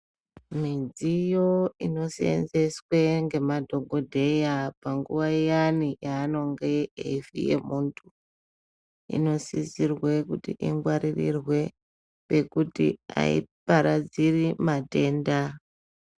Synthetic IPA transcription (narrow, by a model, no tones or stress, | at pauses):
mid͡zijo̞ino̞sḛnd͡ze̞swe̞ŋɡe̞madʱo̞ɡʱo̞dʱe̞japaŋɡuʋaijanijaːno̞ŋɡe̞ḛifḭjḛmuntʰu | ḭno̞sizirwe̞kutiʔiŋɡwaɾirḭrwe̞ | pe̞kutḭa̰ḭpaɾad͡zirimate̞ːnda